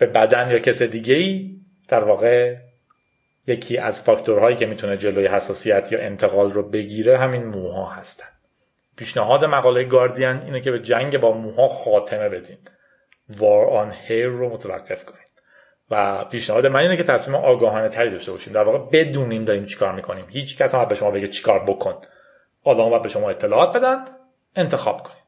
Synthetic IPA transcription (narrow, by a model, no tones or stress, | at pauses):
b̥e̞bæd̪ænjɒːcʰesed̪iːɟeiː | d̪̥æɾvɒːɣe | je̞cʰiːʔæ̰zfɒct̪ʰoɾɦɒːjiːcʰe̞mit̪ʰuned͡ʒe̞lojehæsːɒːsijæt̪ʰjɒ̰ːʔe̞nt̪ʰe̞ɣɒːlrobe̞ɟiːɾeɦæminmuːɦɒ̰ːhæst̪æ̥nd̪ | pʰiːʃnæɦɒːd̪emæɣɒːlejeɡɒːɾd̪iæniːnecʰe̞be̞d͡ʒæŋɟebɒːmuːhɒːxɒːt̪ʰe̞me̞be̞d̪iːm | vɒːɾɒːnheɾːomot̪ʰevæ̰ɡːe̞fkʰo̞niːm | væpʰiːʃnæhɒːd̪emæniːnecʰe̞t̪ʰæsmiːmeʔɒːɡɒːɦɒːnet̪ʰæɾiːd̪ɒʃt̪e̞bɒːʃiːmd̪æɾvɒːɣe̞be̞d̪uːniːmd̪ɒːɾiːmt͡ʃʰi̥kʰɒːɾmiːkʰo̞niːmhiːt͡ʃʰcʰæsæmæd̪beʃo̞mɒːbe̞ɟet͡ʃʰi̥kʰɒːɾbokʰo̞n | ʔɒːlɒːmbɒjæd̪be̞ʃo̞mɒːet̪ʰːe̞lɒːɒːt̪̚be̞d̪ænd̪ | e̞nt̪ʰe̞xɒ̰ːb̥kʰo̞̥ni̥ːm